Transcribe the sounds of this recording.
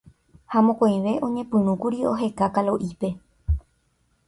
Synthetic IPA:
hamõkõj̃ʋe̞ʔõ̞ɲẽ̞pɨ̃nũkuɾio̞ɦe̞kakalo̞ʔipe̞

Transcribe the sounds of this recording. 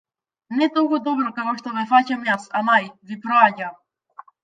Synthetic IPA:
nɛt̪ɔkud̪ɔbɾɔkakɔʃt̪ɔvɛfacamjasanajvipɾɔaɟam

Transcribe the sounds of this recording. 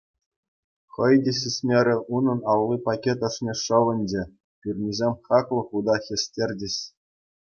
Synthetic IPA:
χɤ̆jdʲĕɕʲɘsʲmʲeɾʲĕʔunɤ̆nɑllːipɑkʲet̪ɤ̆ʂnʲeʂɤ̆ʋɤ̆nʲd͡ʑĕ | pʲyrʲnʲizʲemʲχɑklˠɤ̆χud̪ɑxʲĕsʲtʲerʲdʲɘ̆ɕ

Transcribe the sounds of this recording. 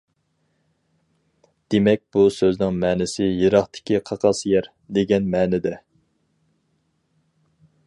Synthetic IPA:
d̪̥emɛk̚ʲb̥usøznɪŋmɛːnɪsɪjeɾɑχt̪ɪ̥kʲiqʰɑqʰɑsjɛɾ | d̪eɡʲɛnmɛːnɪd̪ɛ

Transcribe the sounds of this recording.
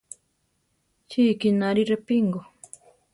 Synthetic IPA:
t͡ʃiːkinaɾiɾepiŋɡo

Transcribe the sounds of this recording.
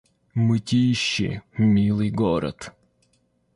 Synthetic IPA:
mɨtʲijɕːɪ̰mʲilˠɨjɡɔɾɐ̰t̪

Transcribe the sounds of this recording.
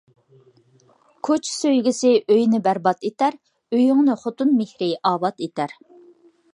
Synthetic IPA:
kʰot͡ʃʰsøjɡʲisɪʔøjnɪbæɾbɑt̪et̪æɾ | øjyŋnɨχot̪unmehɾɪʔɑːbɑt̪et̪ʰæɾ

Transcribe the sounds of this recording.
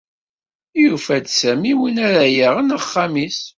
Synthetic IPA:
jufæd̪sæmiwinæɾæjæʁənəχːamis

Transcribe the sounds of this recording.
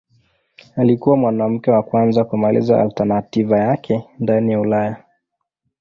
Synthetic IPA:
alikuwamwanam̩kɛwakwanzakumalḭza̰a̰ltanativajakʰɛndanijaulaja

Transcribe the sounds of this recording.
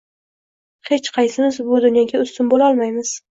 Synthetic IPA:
he̞t͡ʃqʰɑjsɪmɪzbʊd̪ʊnjɒɡʲaʊst̪ʊnbolaɒlˠmajmɪz̥

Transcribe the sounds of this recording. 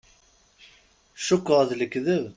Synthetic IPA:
ʃʊkːəʁðləkːðəv

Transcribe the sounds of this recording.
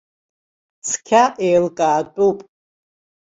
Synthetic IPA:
sʰkʲʰaʔejlɡʼaːtʼupʼ

